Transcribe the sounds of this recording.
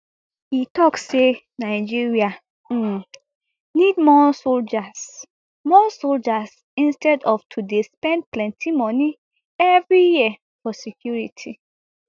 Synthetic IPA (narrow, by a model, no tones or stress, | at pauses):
hitɔksːe | naɪd͡ʒiɹia | nidmɔsold͡ʒas | mɔsold͡ʒas | ĩnstɛdɔftʰudespɛ̃nd̚plɛ̃ntʰimɔ̃ni | ɛvɹijiə | fɔsɛkʰjuɹitʰi